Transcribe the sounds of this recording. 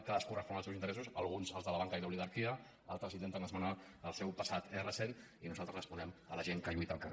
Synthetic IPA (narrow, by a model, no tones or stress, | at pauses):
kaðəskurəspɔnəlˠsɛwzint̪ɾɛs̬usəlˠɣunzəlzðələβaŋkəiləuliɣaɾkiə | alˠt̪ɾəzint̪ent̪ənəzmana | əlˠsɛwpəsat̪erəseninuzalˠt̪ɾəzrəspunɛmələʒeŋkəʎuit̪əlˠkər